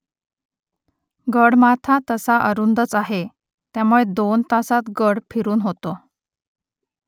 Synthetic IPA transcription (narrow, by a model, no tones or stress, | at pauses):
ɡəɽmat̪ʰat̪əsaʔəɾund̪ət͡saɦe | t̪jamuɭed̪ont̪asat̪ɡəɽpʰiɾuːnɦot̪o